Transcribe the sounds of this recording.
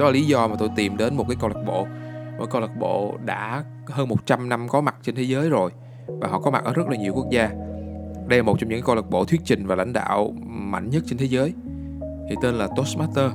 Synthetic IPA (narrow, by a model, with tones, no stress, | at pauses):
ɗɔ˨˦laː˨˩li˨˦zɔ˧maː˨˩t̪o˧jt̪i˨˩mɗe˨˦nmo˨˩kaː˨˦jkɔ˧lə˨˩k̚ɓo̰˧˨mə̰ː˧˦jkɔ˧la˨˩t̚ɓo̰˧˨ɗa̰ː˧˥ | həː˧nmo˨˩t̚t͡ɕa˧mna˧mkɔ˨˦ma˨˩t̚t͡ɕe˧nt̪ʰe˨˦zəː˨˦jzo˨˩j | vaː˨˩ɦɔ̰˧˨˩kɔ˨˦ma˨˩t̚ʔəː˧˩zə˦˥laː˨˩ɲi˨˩əwku˦˥ək̚zaː˧ | ɗə˧jla˨˩mo˨˩t̚t͡ɕɔ˧mɲɨ̰˧˥kːa˨˦kɔ˧lə˨˩ɓo̰˧˨t̪ʰwi˦˥ət̚t͡ɕï˨˩ŋ̟vaː˨˩la̰˧jŋ̟ɗa̰ː˧˨wma̰˧˨jŋ̟ɲə˦˥t̚t͡ɕe˧nt̪ʰe˨˦zəː˨˦j | t̪ʰi˨˩t̪e˧nlaː˨˩t̪o˦˥sma˦˥tt̪əː˧